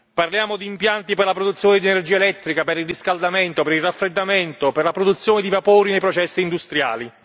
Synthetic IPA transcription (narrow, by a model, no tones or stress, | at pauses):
parljaːmod̪iːmpjant̪iperlapɾod̪ut̪sːjoːnɪd̪iɛnerd͡ʒiːaelɛt̪ːɾikapeɾilriskald̪ament̪opeɾilrafːɾed̪ːament̪operlapɾod̪ut̪sːjoːnɪd̪ivapoːɾinejpɾɔt͡ʃɛsːiːnd̪ust̪ɾja̰ːli